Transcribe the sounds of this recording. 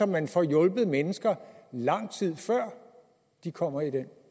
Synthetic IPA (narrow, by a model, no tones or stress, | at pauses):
ɒ̽mːænfɒjɔ̽lb̥ð̩ˠmenəsɡ̥ɐlɑ̈ŋ̰t͡sʰið̞̰ˠfɶɐ̰ | d̥ikʰɒ̽m̰ɐid̥en